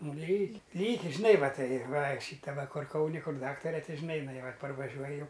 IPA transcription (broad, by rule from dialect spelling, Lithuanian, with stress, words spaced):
ˈnʊ ˈlʲiːkʲ ˈlʲiːkʲɪ ʒʲɪˈnɐɪ ˈʋɐ ˈtɐɪ ˈʋɐ ˈʃʲiːtɐ ˈʋɐ ˈkʊr ˈkɐʊnʲɪ ˈkʊr ˈdɑːktɐrʲɛ ˈtʲɪ ʒʲɪˈnɐɪ ɪˈnɐɪ ˈʋɐ pɐrʋɐˈʒʲuɔj ˈjɛʊ